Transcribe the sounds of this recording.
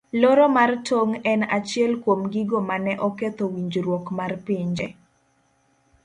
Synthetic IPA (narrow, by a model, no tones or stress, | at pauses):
loɾɔmartʰoŋɛnat͡ʃɪɛlkwomɡiɡomanɛʔɔket̪owiɲd͡ʒɾwokmarpiɲd͡ʒɛ